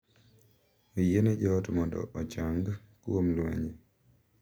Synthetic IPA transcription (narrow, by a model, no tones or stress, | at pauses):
ojened͡ʒɔtmɔndɔ̰ʔɔt͡ʃaŋɡ | kwomlwɛ̰ɲe